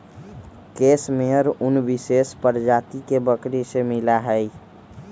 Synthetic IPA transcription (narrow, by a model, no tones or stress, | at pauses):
keːsmeəɾʊnʋɪseːspəɾd͡ʒaːt̪ikebəkɾisemɪlaɦɛi